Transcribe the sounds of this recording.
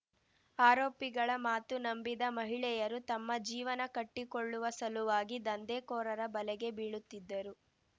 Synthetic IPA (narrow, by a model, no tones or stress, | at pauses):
aːɾoːpiɡɐɭɐmaːt̪unɐmbid̪ɐmɐɦiɭɛjɐɾut̪ɐmːɐd͡ʒiːʋɐnɐkɐʈːikɔɭːuʋɐsɐluʋaːɡid̪ɐnd̪ɛːkɔːɾɐɾɐbɐlɛɡe̞biːɭut̪ːid̪ːɐɾu